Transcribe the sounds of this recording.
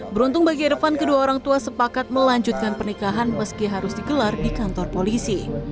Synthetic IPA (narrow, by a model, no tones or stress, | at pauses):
bəɾunt̪ʊŋbaɡiɛɾəfankəduaoɾaŋt̪uasəpakat̪̚məlaɲd͡ʒut̪̚kanpərnikaɦanməskiɦaɾʊsdiɡəlardikant̪ɔrpolisi